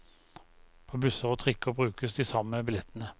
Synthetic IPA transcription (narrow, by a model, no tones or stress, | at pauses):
pʰoːbʉsəʁɔt̪ʰʁɪkːəʁbʁʉːkəsd̪isɑməbɪlɛt̪ənə